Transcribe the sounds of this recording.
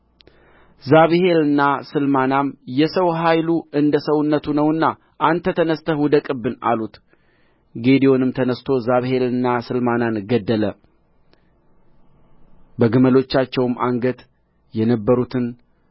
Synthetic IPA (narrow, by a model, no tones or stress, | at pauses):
zaβhe̞lɨnːasɨlmanamjɛsəwɦajluʔɨnd̪əsəwnːət̪ʰunəwɨnːa | ʔant̪ʰːət̪ʰənəst̪ʰəhud̪əkʼɨbɨna̰lut̪ | ɡe̞d̪iwo̞nɨmt̪ʰənəst̪ʰo̞zaβhe̞lɨnːasɨlmananɡəd̪ːələ | bəɡɨməlo̞t͡ʃːat͡ʃːɛwɨmaŋɡət̪ | jɛnəbːəɾut̪ʰɨn